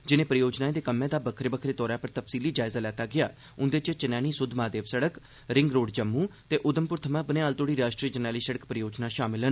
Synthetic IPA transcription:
d͡ʒɪnẽːpɾəjoːd͡ʒnaːeːd̪eːkəmːẽːd̪aːbəkʰɾeːbəkʰɾeːt̪ɔːɾaːpəɾt̪əfsiːliːd͡ʒaːɪzaːlɛːt̪aːɡɪja̰ː | ʊ̃nd̪eːt͡ʃt͡ʃənɛːñiːsʊd̪ʱmaːd̪eːʋsəɽək | ɾɪŋɡɾoːɖd͡ʒəmːũːt̪eːʔʊd̪əmpʊɾt̪ʰəmãːbəneːaːlt̪oːɽiːɾaːʃʈɾiːəd͡ʒənaːliːsəɽəkpɾəjoːd͡ʒnaːʃaːmɪlɦən

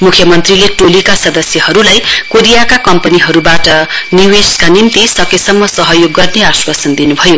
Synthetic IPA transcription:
mukʰjʌmʌnt̪rileʈolikasʌd̪ʌsjʌɦʌɾulajkoɾijakakʌmpʌniɦʌɾubaʈʌniweskanint̪isʌkesʌmːʌsʌɦʌjoɡːʌrneaswasʌnd̪inubʱʌjo

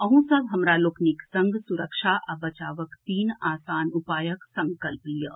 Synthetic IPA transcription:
ɐɦũsɐbɦɐmɾaːloːkniksɐŋɡsuɾəkʃaːʔɐbɐt͡ʃaːʋəkt̪iːnaːsaːnupaːjəksɐŋkɐlpijə

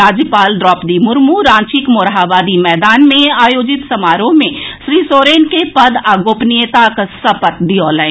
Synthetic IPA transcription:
aːd͡ʒjəpaːlɖɾɔːpd̪imʊɾmuɾãːnt͡ʃɪkmoːɾɦaʋaːd̪imɛːd̪aːnmẽaːjoːd͡ʒɪt̪sɐmaːɾõmẽʃɾiːsoːɾeːnkepɐd̪aːɡoːpnijət̪aksɐpət̪d̪iɔːlaɪ

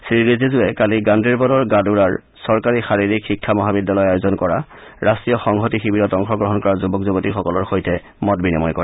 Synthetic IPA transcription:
sɹiɹizezʊɛkaliɡandɹiɹbɔdɔɹɡaduɹaɹ | sɔɹkaɹixaɹiɹikxikʰːamɔɦabidːalɔjɔajzɔnkɔɹaɹastɹijɔxɔŋɦɔtixibiɾɔtɔŋxɔɡɹɔɦɔnkɔɹaɹzubɔkzubɔtixɔkɔlɔɹxojtɛ | mɔt̚binimɔjkɔɹɛ

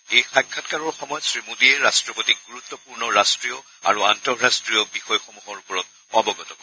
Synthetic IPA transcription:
ejxakʰːatkaɹɔɹxɔmɔjɔtsɹimudiɛɹastɹɔbotik̚ɡuɹut̪ːɔpuɹnɔɹastɹiɔ | a̰ɹuantɔɹɹastɹijɔbixɔjɔxɔmuɦɔɹupɔɹɔt̚ | ɔbɔɡɔtɔkɔ

